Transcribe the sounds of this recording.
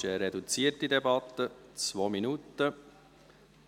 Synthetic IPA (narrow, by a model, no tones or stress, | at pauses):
əɾɛdut͡siːətidɛbɑt̪ːət͡svoːminut̪ːə